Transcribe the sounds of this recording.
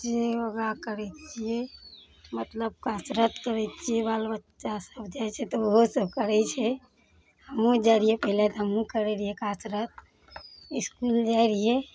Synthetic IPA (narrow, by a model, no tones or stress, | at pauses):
d͡ʒeəɡakəɾɛt͡ʃʰie | mət̪ləb̚kat͡ʃɾət̪kəɾɛt͡ʃʰiebalbətːt͡ʃʃasəbd͡ʒaɛt͡ʃʰɛt̪ooɦosəb̚kəɾɛt͡ʃʰɛ | həmũd͡ʒaɾiɦepəɦilet̪ɦəmũkəɾɛɾiekat͡ʃɾət̪̚ | iskuld͡ʒaeɾie